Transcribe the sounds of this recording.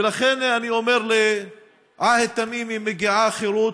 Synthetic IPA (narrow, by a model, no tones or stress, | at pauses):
elaχenaniomeɾle | ʕahet̪ːamimimeɡiʕaχeɾut̪